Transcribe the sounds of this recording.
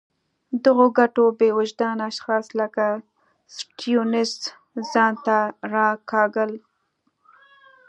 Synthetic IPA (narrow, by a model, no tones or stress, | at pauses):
d̪əɣoɡaʈobewʊd͡ʒd̪ɑnaʃxɑsləka | sʈijunɪs | zɑnt̪aɾɑkɑɡəl